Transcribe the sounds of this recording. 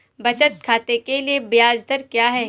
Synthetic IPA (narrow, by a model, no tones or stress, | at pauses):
bɐt͡ʃət̪̚kʰaːt̪ekeliebɪjaːd͡ʒd̪əɾkjaːɦɛː